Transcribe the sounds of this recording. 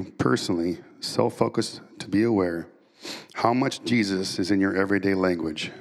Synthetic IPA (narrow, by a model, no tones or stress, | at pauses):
pʰɜ̰˞sn̩l̩ˠiso̰ʊfoʊkɨstʰəbiəwɛɹ | haʊmʌt͡ʃd̥ʒ̥izɨsɨzɨ̃njə˞ʔɛvɹideɪlæ̃ŋɡwɨd̥ʒ̥